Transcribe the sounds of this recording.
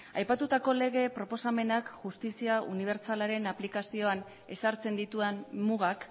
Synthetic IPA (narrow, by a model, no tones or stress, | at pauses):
a̰jpat̪ut̪ako̞le̞ɣ̞e̞pɾo̞po̞same̞nakʝust̪isiaṵniβ̞e̞ɾt͡salaɾe̞naplikasio̞an | e̞saɾt͡se̞nd̪it̪uanmuɣak